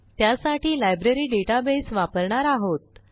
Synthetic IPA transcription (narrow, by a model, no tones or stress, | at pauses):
t̪ːjasaʈiːlajbɾeɾiːɖeʈabesʋapəɾɳaɾaɦot̪̚